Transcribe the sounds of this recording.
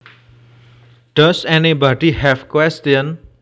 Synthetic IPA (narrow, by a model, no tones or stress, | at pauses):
ɖ̥ʌsɛnibɔɖihɛvkwɛstiən